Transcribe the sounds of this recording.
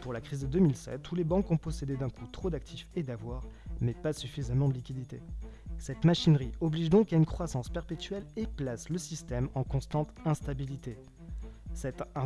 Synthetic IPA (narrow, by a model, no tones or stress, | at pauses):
puʁlakχizd̪əd̪ømilsɛ̰t̪ːulebɑ̃kɔ̃pɔsed̪ed̪ɛ̃kut̪χod̪ak̚t̪ʰifed̪avwaːʁmɛpasyfizamɑ̃d̪əlikʲid̪it̪esɛt̪maʃinʁiɔbliʒd̪ɔ̃kaynkχwasɑ̃spɛʁpet̪ɥɛleplasləsist̪ɛmɑ̃kɔ̃st̪ɑ̃t̪ɛ̃st̪abilit̪e | sɛt̪ɛ̃